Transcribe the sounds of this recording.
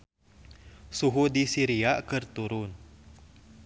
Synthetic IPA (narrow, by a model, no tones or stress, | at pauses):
suɦudisiɾiakɨrt̪uɾʊn